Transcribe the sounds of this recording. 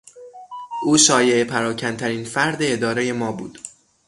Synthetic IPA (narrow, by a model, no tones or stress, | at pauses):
ʔuːʃɒːje̞epʰæɾɒːcʰænt̪ʰæɾiːnfæɾd̪eːd̪ɒːɾeje̞mɒːbṵːd̪̥